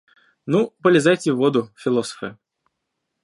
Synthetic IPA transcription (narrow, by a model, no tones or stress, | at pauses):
nupəlʲɪzajtʲɪvːod̪ʊfʲɪlˠosə̥fɨ̰